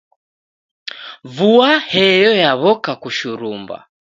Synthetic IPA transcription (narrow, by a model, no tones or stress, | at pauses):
vuahɛjɔjaβɔkakuʃuɾumba̰